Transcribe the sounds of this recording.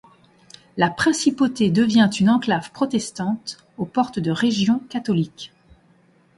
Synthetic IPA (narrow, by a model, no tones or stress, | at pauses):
lapχɛ̃sipot̪ed̪əvjɛ̃t̪ynɑ̃klavpχɔt̪ɛst̪ɑ̃t̪ | opɔʁt̪d̪əʁeʒjɔ̃kat̪ɔlik